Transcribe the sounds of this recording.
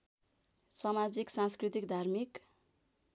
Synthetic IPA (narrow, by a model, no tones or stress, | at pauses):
samad͡ziksãnskrit̪ikd̪ʱarmik